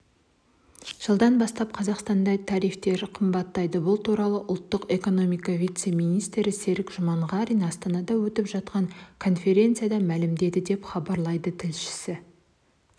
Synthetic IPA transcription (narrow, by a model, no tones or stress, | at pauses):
ʒ̥əlˠd̪ɑnbɑst̪ɑp̚qʰɑzɑqst̪ɑnd̪ɑjt̪ʰɑɾijft̪e̞ɾɪqʰəmbɑt̪ːɑjd̪əbʊlˠt̪uɾɑlˠəʔʊlˠt̪ːəqe̞ko̞no̞mijkɑvijt̪se̞mijnijst̪ɾɪse̞ɾɪkʒʊmɑɴʁɑɾijnɑst̪ɑnɑd̪ɑwɵt̪ɪpʒɑt̪̚qɑŋkʰo̞nfʲe̞ɾʲe̞nt̪sɨjad̪ɑmælɪmd̪e̞d̪ɪd̪e̞pχɑbɑɾlˠɑjd̪ət̪ʰɪlʃɪ̥sɪ